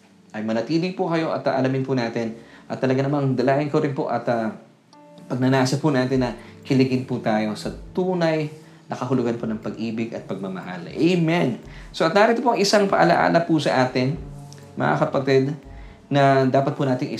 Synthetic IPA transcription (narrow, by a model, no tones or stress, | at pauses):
ʔɐjmɐnɐt̪iːlɪpʊkɐjo̞ʔɐt̪ɐʔɐlɐmɪnpʊnaːt̪ɪnʔɐt̪ːɐlɐɡanɐmand̪ɐlaːʔɪnkoɾɪnpoʔɐt̪ɐ | pɐɡ̚nɐnaːsɐpʊnaːt̪ɪnːɐkɪlɪɡɪnpʊt̪aːjo̞sɐt̪uːnɐj | nʔɐkɐhʊlʊɡanponɐŋpɐɡʔiːbɪɡɐt̪̚pɐɡ̚mɐmɐ̰ha̰lʔejmɛnsoʔɐt̪̚naːɾɪt̪opoʔɐŋɪsaŋpɐʔɐlɐʔa̰ːlɐpʊsɐʔaːt̪ɪn | mʔɐ̰ʔa̰kɐpɐt̪ɛd̪ | nɐd̪aːpɐt̪̚pʊnaːt̪ɪŋʔɪ